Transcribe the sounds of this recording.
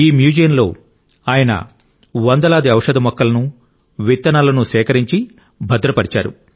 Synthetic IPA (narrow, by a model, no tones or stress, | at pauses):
iːmjuːd͡ʒɐjɐnlo̞ː | aːjɐnɐ̰ | ʋɐnd̪ɐlaːd̪iɐwʂɐd̪ɐmɔkːɐlɐnu | ʋit̪ːɐnaːlɐnusɛːkɐɾiɲt͡ʃi | bʱɐd̪ɾɐpɐɽit͡ʃa̰ːɾṵ